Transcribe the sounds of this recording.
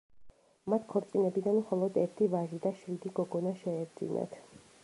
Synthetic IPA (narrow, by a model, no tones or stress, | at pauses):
mat̪ʰkʰɔɾt̪sʼinɛbid̪anmχɔlˠɔd̪ɛɾt̪ʰivaʒid̪aʃɾid̪iɡɔɡɔnaʃɛːɾd̪zḭnɛ̰t̪ʰ